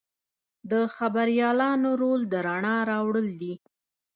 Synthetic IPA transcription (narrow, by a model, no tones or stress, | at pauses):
d̪əxabaɾjɑlɑnoɾold̪əɾaɳɑɾɑwɽəld̪i